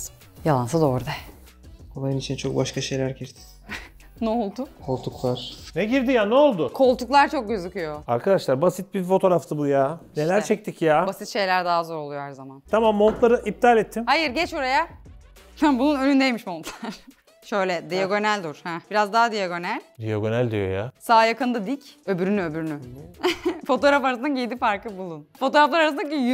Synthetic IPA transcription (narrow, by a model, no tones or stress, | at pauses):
jalˠansad̪o̞ːɾd̪a | onajɯnit͡ʃʰint͡ʃʰo̞k̚baʃkʰaʃe̞jlʲæɾɟiɾt̪ʰi̥ | nɛolˠd̪ʊkʰo̞lˠt̪ʰuklˠaɾ̥nɛɟiɾd̪ijanɛo̞lˠd̪ʊkʰo̞lˠt̪uklˠaɾt͡ʃʰo̞k̚ɟøzycyjoaɾkʰad̪aʃlˠaɾbasit̪̚bifo̞t̪ʰo̞ɾaft̪ʰɯbjaːne̞lʲæɾt͡ʃʰɛc̚t̪ʰicjaːbasit̪ʃe̞jlʲæɾd̪aɦazo̞ɾo̞lˠujoɦæɾzamant̪ʰamamːont̪lˠaɾɯʔip̚t̪ʰalʲɛt̪ʰːimhajɯɾɟɛt͡ʃbuɾaja | ambunˠunønynd̪ejmiʃmont̪lˠaɾ̥ | ʃø̞jlʲɛd̪ijaɡo̞nælʲd̪uɾ̥hɛbiɾazd̪aɦad̪ijaɡo̞nælʲd̪ḭjaɡo̞nælʲd̪ḭjo̞̰ja̰saːjakʰɯnd̪ad̪icø̞byɾynyø̞byɾyny | fo̞t̪oɾafaɾasɯnaɟid̪ifaɾkɯbulˠunfo̞t̪o̞ɾaflˠaɾaɾasɯnd̪aɟij